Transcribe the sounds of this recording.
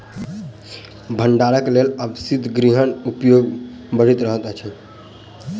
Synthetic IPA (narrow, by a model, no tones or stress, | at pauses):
bʱəɳɖaɾəkleləbsid̪ʱɡɾiɦənupjoɡ | bəɽ̤it̪ɾəɦət̪ət͡ʃʰɛ